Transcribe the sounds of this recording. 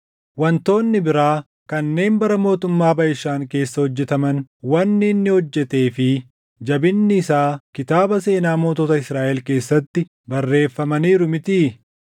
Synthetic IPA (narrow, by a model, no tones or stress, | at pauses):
wɐnt̪o̞ːnːɪbɪɾaː | kɐnːe̞ːnbɐɾɐmo̞ːt̪ʊmːaːbɐjɪʃːaːŋke̞ːsːɐhɔd͡ʒːɛt̪ɐmɐnwɐnːɪːnːɪhɔd͡ʒːɛt̪e̞ːfɪ | d͡ʒɐbɪnːɪːsaːkɪt̪aːbɐse̞ːnaːmo̞ːt̪oːt̪ɐɪsɾaːʔɛlke̞ːsːɐt̪ːɪ | bɐrːe̞ːfːɐmɐniːɾʊmɪt̪iː